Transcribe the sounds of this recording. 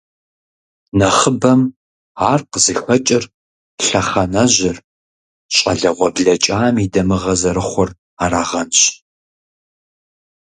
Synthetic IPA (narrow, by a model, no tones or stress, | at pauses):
nɐχəbɐm | aːrqəzɨxʷɐt͡ʃʼɪr | ɬɐχɐnɐʑɪr | ɕʼɐ̰ɮɐʁʷɔbɮɐt͡ʃʼaːmiːdɐmɨʁɐzɐɾɨχʷɔr | aːɾaːʁɐnɕ